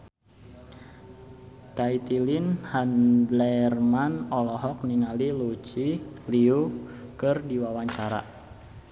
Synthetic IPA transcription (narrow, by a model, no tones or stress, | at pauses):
kait̪ilinhandlɛrmanɔlɔɦɔk̚niŋalilut͡ʃiliukɨrdiwawaɲt͡ʃaɾa̰